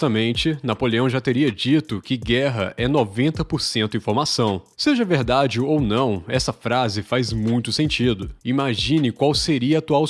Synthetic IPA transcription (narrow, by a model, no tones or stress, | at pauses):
t̪ɐmẽnt͡ʃɪnapoleɐ̃w̃ʒat̪eɾiɐd͡ʒit̪ʊkɪɡɛɦɐ̰ʔɛnɔvẽnt̪ɐpoɾsẽnt̪ʊĩfoɾmasɐ̃w̃seʒɐveɾd̪ad͡ʒɪownɐ̃w̃ɛsɐfɾazɪfajzmũj̃t̪ʊsẽnt͡ʃid̪ʊimaʒĩnɪkwawseɾiɐːt̪uaw